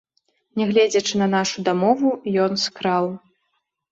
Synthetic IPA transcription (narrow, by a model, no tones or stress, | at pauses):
nʲɛɣlʲɛd͡zʲɐt͡ʂɨnɐnaʂud̪amɔvujɔnskɾaw